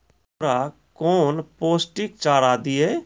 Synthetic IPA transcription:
ɾa | kɔːnpoːsʈik̚t͡ʃaːɾaːd̪ie

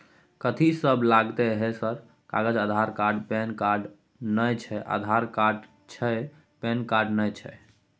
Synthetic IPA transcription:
kət̪ʰisəblaɡt̪eɦesəɾ | ka̰ɡəd͡ʒəd̪ʱaɾkaɾɖpenkaɾɖ | nəjt͡ʃʰɛʔa̰d̪ʱaɾkaɾɖ | t͡ʃʰɛ | penkaɾɖnəjt͡ʃʰɛ

